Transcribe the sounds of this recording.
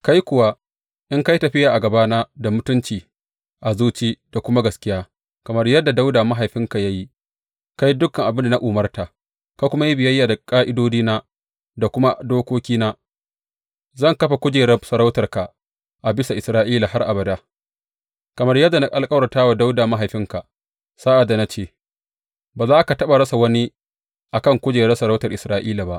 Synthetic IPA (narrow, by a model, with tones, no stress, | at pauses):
ka˦jkʷʊ˨wa˦ | ʔɪ˦ŋka˦ji˦tɐ˨ɸɪ˦jaː˨ʔa˨ɡɐ˨baː˦naː˦da˨mʊ˦tʊ˦nt͡ʃiː˨ | ʔa˨zuː˦t͡ʃiː˦d̥a˨kʷʊ˦ma˦ɡɐ˨skʲɪ˦jaː˦ | kɐ˨mɐ˦rjɐ˦dːa˨da˦wdaː˨ma˦ɦa˨jɸɪ˦ŋka˨ja˦ji˦ | ka˦ji˦dʊ˦kːɐ˨ŋʔa˨bɪ˦nda˨na˦ʔu˨mɐ˦rta˨ | ka˦kʷʊ˦ma˦ji˦bɪ˨jɐ˦jːaː˨da˨kʼaː˦ʔɪ˦doː˦d͡ʒiː˦na˦ | da˨kʷʊ˦ma˦doː˦kʷoː˦kʲiː˦na˦ | zɐ˦˨ŋkɐ˦ɸa˨kʷʊ˦d͡ʒeː˨ɽɛ˦sɐ˨ɽa˦wtɐ˨rka˨ | ʔa˨bɪ˦sa˨ʔɪ˨sɾaː˦ʔiː˦laː˨ha˦rʔa˨bɐ˨da˦ | kɐ˨mɐ˦rjɐ˦dːa˨na˦ʔʼa˨lkʼɐ˦wɽɐ˨taː˦wa˨da˦wdaː˨ma˦ɦa˨jɸɪ˦ŋka˨ | sa˦ʔa˨dːa˨na˦t͡ʃeː˦˨ | baː˨zaː˦ʔa˦ka˨tɐ˦ɓa˨ɽɐ˦sa˨wɐ˦ni˦ | ʔa˨kɐ˦˨ŋkʷʊ˦d͡ʒeː˨ɾɛ˦sɐ˨ɾa˦wtɐ˨rʔɪ˨sɾaː˦ʔiː˦la˨ba˦ʔ